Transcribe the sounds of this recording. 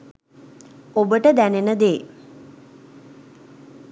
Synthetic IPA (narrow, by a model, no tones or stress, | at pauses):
obəʈəd̪ænenəd̪eː